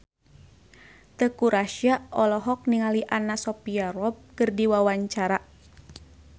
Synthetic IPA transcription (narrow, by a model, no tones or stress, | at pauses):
t̪əkuɾʔaʃiaɔlɔɦɔk̚niŋaliʔanasɔpiaɾɔb̚kɨrdiwawaɲt͡ʃaɾa